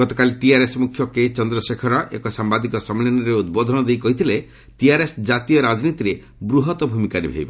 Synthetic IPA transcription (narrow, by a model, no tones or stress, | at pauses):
ɡɔt̪ɔkaliʈiaɾesmukʰjɔket͡ʃɔnd̪ɾɔsekʰɔɾɔʔḛkɔsambad̪ikɔsɔmlinɔɾeud̪bɔd̪ʱɔnɔd̪ejkɔɦit̪ʰile | ʈiaɾesd͡ʒat̪ijɔɾad͡ʒnit̪iɾe | bɾuɦɔt̪ɔbʱumikaɾibʱḛibe